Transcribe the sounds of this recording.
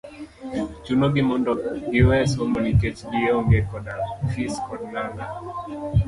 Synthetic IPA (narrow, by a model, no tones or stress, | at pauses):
t͡ʃunoɡimondɔiɛsomoniket͡ʃɡioŋɡekɔdafiskɔdnaŋɡa